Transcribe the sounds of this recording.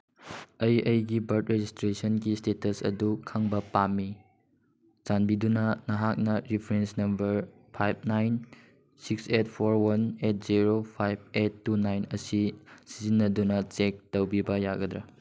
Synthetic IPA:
ɐjʔɐjɡibɐɾtɾed͡ʒistɾesonɡistetɐsɐ̰dukʰaŋbɐpamːi | zanbidunɐnɐɦak̚nɐɾipʰɾensnɐmbɐɾ | pʰajb̚ʰnajn | sikset̚pʰoɾwɐnet̚ziɾopʰajb̚etːunajnɐsisizinːɐdunɐt͡ʃek̚tɐwbibɐjaɡɐd̪ɾa

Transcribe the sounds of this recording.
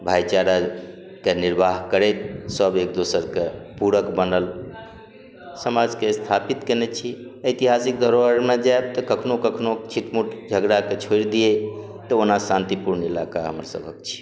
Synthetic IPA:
bʱajt͡ʃaɾa | keniɾbʱaɦkəɾɛt̪̚səbek̚d̪osəɾkepuɾəkbənəl | səmad͡ʒkest̪ʰapit̪kenɛt͡ʃʰiəɪjt̪iɦasik̚d̪ʱəɾoəɾmed͡ʒaeb̚t̪əkəkʰnokəkʰnot͡ʃʰiʈmuʈʰd͡ʒʱəɡɾaket͡ʃʰoiɾd̪ie | t̪əonasãnt̪ipuɾnilakaɦə̰mɾsə̰bʱək̚t͡ʃʰi̥

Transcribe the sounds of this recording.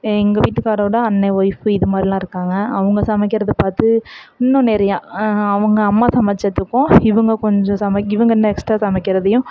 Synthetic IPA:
ɛŋɡɐʋiːʈːɯkːaːɽɐːɽɐɐnːɐʋɔjfɯɪðɯmaːd̪ɾɪilãːɪɾɯkːaːŋɡɐːʋɐŋɡɐsɐmɐk̬ːɪɾɐðɯpaːɾt̪ɯɪnːɐ̃nɛɾɐjãːɐʋɐŋɡɐːmːaːsɐmɐt͡ʃːɐt̪ːɯkːʊ̃ɪʋɐŋɡɐkɔɲd͡ʒɔ̃sɐmɐkːɪʋɐŋɡɐɛnːɐɛksʈɾaːsɐmɪkːɪɾɐðɛjʊ̃

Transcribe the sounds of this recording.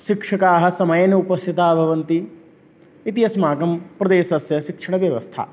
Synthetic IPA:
ʃikʂɐkaːɦɐ̆sɐmɐjɐnɐupɐst̪ʰit̪aːbʱɐʋɐnt̪iː | t̪ijɐsmaːkɐmpɾɐd̪eːʃɐsjɐʃikʂɐɳɐʋjɐʋɐst̪ʰa̰

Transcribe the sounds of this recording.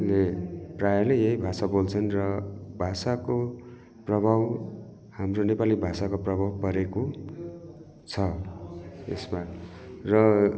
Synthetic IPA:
leprajʌlʌjjʌɦjbʱasabolt͡sʰʌnrʌbʱasako | prʌbʱaw | hamronepalibʱasakoprʌbʱawpʌɾeko | t͡sʰʌ | ḛsma | rʌ

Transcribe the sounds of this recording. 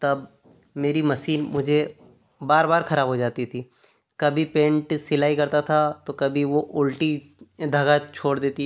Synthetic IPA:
t̪ɐb̚ | meːɾimɐsiːnmʊd͡ʒʱe | baːɾbaːɾxɐɾaːbɦod͡ʒaːt̪it̪ʰiː | kɐbʱipẽːɳʈsɪlaːikɐɾt̪at̪ʰat̪okɐbʱiʋoʔʊlʈi | d̪ʱɐɡat͡ʃʰoːɽd̪eːt̪i

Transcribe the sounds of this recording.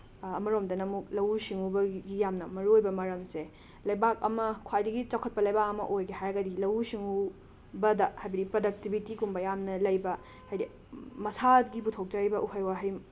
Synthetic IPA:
ɐmɐɾomdɐnɐmuk̚lɐwusiŋubɐɡijamnɐmɐɾuojbɐmɐɾɐmse | lɐjbak̚ɐ̰mɐkʰajdɐɡit͡ʃɐkʰɐt̚pɐlɐjbakɐmɐ̰ʔojɡehajɾɐɡɐdilɐwusiŋu | bɐdɐhajbɐdipɾodɐk̚tibʱitikumbɐjamnɐlɐjbɐ | hajdi | mɐsat̚ɡiputʰok̚d͡ʒaɾibɐʔuhajwaɦaj

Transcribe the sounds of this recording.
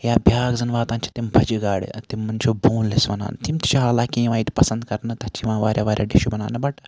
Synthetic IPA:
jaːbʱjaːɡzɐnʋaːt̪aːnt͡ʃʰi̥t̪imbʱɐd͡ʒiɡaːɽḭt̪imːɐnʲt͡ʃʰoboːnlɐsʋɐna̰ːnɨt̪imt̪i̥t͡ʃʰɐɦaːlaːkʲiʋãːit̪pɐsɐnd̪kɐɾnɨt̪ɐt͡ʃiʋãːʋaːɾʲjaːʋaːɾʲja̰ːɖiʃubɐna̰ːnɨbɐʈ

